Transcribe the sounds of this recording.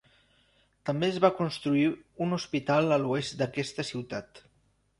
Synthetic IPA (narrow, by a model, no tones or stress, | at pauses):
t̪əmbeəzβakunst̪ɾuiunuspit̪alˠəluest̪̚d̪əkɛst̪əsiwt̪at̪